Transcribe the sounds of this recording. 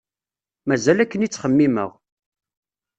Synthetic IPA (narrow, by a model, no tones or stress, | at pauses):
mæzælækːənit͡sːχəmːimə̰ʁ